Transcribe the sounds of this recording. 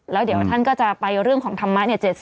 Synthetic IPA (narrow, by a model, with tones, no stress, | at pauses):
lɛː˦˥wdi˩˦əwt̪ʰa˥˩nkɔː˥˩t͡ɕa˨˩pa˧jɾɯ˥˩əŋkʰɔː˩˦ŋt̪ʰa˧mːa˦˥ni˥˩ɐt͡ɕeː˨˩t̪̚